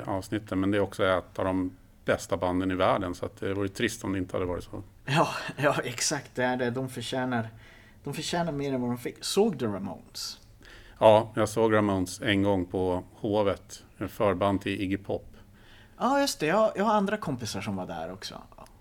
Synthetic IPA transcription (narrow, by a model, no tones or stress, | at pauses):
ɑːvsnɪt̪ʰːənmɛnd̪ɛɾɔksɔɛːt̪ʰad̪ɔm | b̥ɛst̪aband̪ənɪvæːɖənsɔa̰t̪̚d̪ɛvʊːɾət̪ʰːɾɪst̪ɔmd̪ɛɪnt̪əhad̪əvɑːɾɪt̪so̰ | jɑːjɑːɛksakt̪̚d̪ɛæɖɛd̪ɔmfœɕɛːnaɾ | d̪̥ɔmfœɕɛːnaɾmeːɾɛnvad̪ɔmfɪkːsoːɡd̪ɛɾama̰ns | ɑːjɑːɡsoːɡɾamaʊnsɛnɡɔŋːpʰɔhoːvət̪ | fœːɾband̪ʰɪʔɪɡɪpʰɔpː | ʔɑːjɵst̪ɛjɑːajɑːhaɾand̪ɾakʰɔmpɪsaʂɔmvaɖæ̰ːɾɔksɔ̰